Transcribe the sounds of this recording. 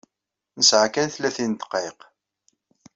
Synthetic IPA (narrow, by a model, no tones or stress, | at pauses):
nəsʕakænθlæθint̪ə̥qːeq